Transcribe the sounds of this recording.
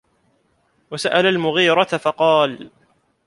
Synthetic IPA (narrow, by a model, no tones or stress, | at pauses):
wasaʔalalmʊɣiːɾˤɑt̪afɑqɑːl